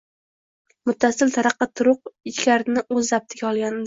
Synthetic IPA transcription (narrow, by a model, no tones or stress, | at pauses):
mʊt̪ʰːasɪlt̪ʰaɾɑqːɑt̪ʰʊɾʊq̚ɪt͡ʃkʲaɾnɪɵzːap̚t̪ʰɪɡʲaɒlˠɡʲanɪd̪